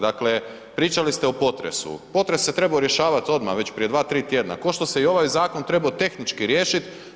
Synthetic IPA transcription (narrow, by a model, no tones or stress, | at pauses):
d̪akle̞ | pɾiːt͡ʃalist̪eopo̞t̪ɾe̞̰sṵpo̞t̪ɾesːe̞t̪ɾe̞baoɾje̞ʃaːʋat̪o̞d̪ma̰ʋe̞t͡ɕpɾije̞d̪ʋaːt̪ɾiːt̪je̞ːd̪na̰ko̞ʃt̪o̞se̞io̞ʋajzaːko̞nt̪ɾe̞baot̪e̞xnit͡ʃkiɾjeːʃit̪